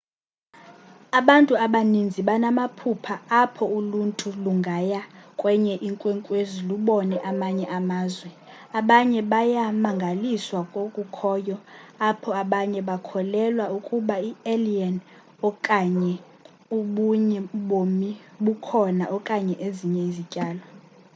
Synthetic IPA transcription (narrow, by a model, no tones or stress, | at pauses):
aɓantʼuaɓanind͡zʱiɓanamapʰupʰaapʰɔuluntʼuluŋɡʱajakʼwɛɲɛʔiŋkʼwɛŋkʼweziluɓɔnɛʔamaɲɛʔamaːzwɛ | aɓaɲɛɓajamaŋɡʱaliswakʼokʼukʰɔjɔapʰɔaɓaɲɛɓakʰɔlɛlwaukʼuɓaielian | ɔkʼaɲɛ | uɓuɲɛɓomi | ɓukʰɔnaʔɔkʼaɲɛʔeziɲɛizicʼaːlɔ